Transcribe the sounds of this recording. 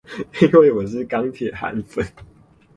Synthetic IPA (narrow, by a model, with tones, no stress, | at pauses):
i˦nwe˥˩ɪwɔ˨˩ʂ̬ɻ̩˥˨kɑ˥ŋt̪ʰjɛ˨˩xa̰˨˦nfə˨˦n